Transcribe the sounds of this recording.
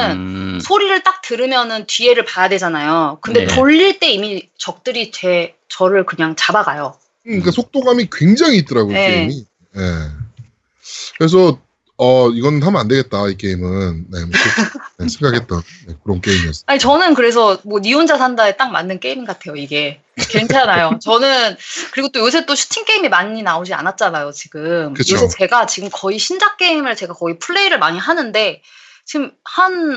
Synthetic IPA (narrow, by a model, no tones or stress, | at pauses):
ɯnsʰoɾiɾɯɭt͈ak̚tɯɾɯmjʌnɯntɥie̞ɾɯɭpajadwe̞d͡ʑanajokɯndetoʎːiɭt͈e̞imit͡ɕʌk̚t͈ɯɾit͡ɕe | t͡ɕʌɾɯɭkɯɲaŋt͡ɕabaɡajo | kɯik͈asʰok̚t͈oɡamikwe̞ŋd͡ʑaŋiːt͈ʌɾaɡoeei | je̞ | kɯɾes̬ʰʌ | ʌiɡʌnɯnɦamʌande̞ɡe̞t̚t͈aik͈e̞imɯnːemonesʰe̞ŋɡakʰet̚t͈ʌnne̞kɯɾʌnk͈eimiesʰaɲit͡ɕʌnɯnkɯɾe̞s̬ʰʌmwʌniond͡ʑasʰandaet͈aŋma̰nːɯnk͈e̞iminɡatʰe̞joiɡe̞ | kent͡ɕʰanajot͡ɕʌnɯnkɯɾiɡot͈ojos̬ʰe̞t͈oɕʰu̥t͡ɕʰiŋk͈e̞imimaɲinaod͡ʑia̰nat̚t͡ɕ͈anajot͡ɕiɡɯmkɯt͡ɕjʰoosʰet͡ɕe̞ɡat͡ɕiɡɯmkʌiɕʰind͡ʑak͈̚e̞imɯɭt͡ɕe̞ɡakʌipʰuɭːe̞iɾɯɭmaɲiɦanɯnde̞ | t͡ɕiɡɯmhan